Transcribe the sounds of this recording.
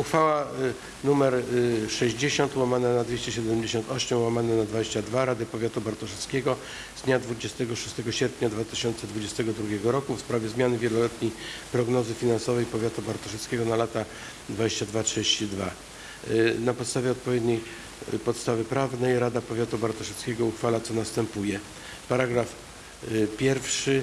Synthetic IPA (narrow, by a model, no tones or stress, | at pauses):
uxfawa | numɛɾʂɛʑd͡ʑeɕɔnt̪wamanɛnad̪vʲeɕt͡ɕɛɕɛd̪ɛmd͡ʑeɕɔnt̪ɔɕɛmwamanɛnad̪vad͡ʑeɕt͡ɕad̪vaɾad̪ɘpɔvʲjat̪ubaɾt̪ɔʂɛt̪skʲɛɡɔ | zd̪ɲad̪vud͡ʑɛst̪ɛɡɔʂu̥st̪ɛɡɔɕɛɾpɲad̪vat̪ɘ̥ɕɔnt̪sɛd̪vud͡ʑɛst̪ɛɡɔd̪ɾuɡʲɛɡɔɾɔkufspɾavʲjɛzmʲjanɘvʲjɛlɔlɛt̪ɲejpɾɔɡnɔzɘfʲinansɔvɛjpɔvʲjat̪ubaɾt̪ɔʂɛt̪skʲɛɡɔnalat̪a | d̪vad͡ʑeɕt͡ɕad̪vatʂɨd͡ʑeɕt͡ɕid̪va | napɔt̪st̪avʲjɛɔt̪̚pɔvʲed̪ɲej | pɔt̪st̪avɘpɾavnɛjɾad̪apɔvʲjat̪ubaɾt̪ɔʂɛt̪skʲɛɡɔuxfalat̪sɔnast̪ɛmpujɛ | paɾaɡɾaf | pʲjɛɾfʂɘ